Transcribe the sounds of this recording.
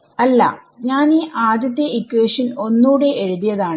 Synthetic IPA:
ɐlːɐ̰ | ɲaːniːʔaːd̪jɐt̪ːjɐʔikːweːʂɐno̞nːuːɽe̞ʔeɻuðijɐðaːɳɨ

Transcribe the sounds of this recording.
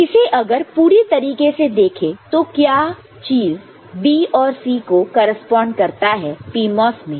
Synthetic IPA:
ɪseʔɐɡəɾpuːɾet̪ɐɾiːkesed̪eːkʰet̪okjaː | t͡ʃiːz | biːɔːɾsiːkokɔːɾəspɔ̃ːɳɖkɐɾt̪aɦɛːpiːmɔːsmẽː

